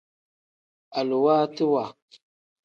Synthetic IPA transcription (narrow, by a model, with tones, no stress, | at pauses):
a˨lu˨wa˦ti˦wa˨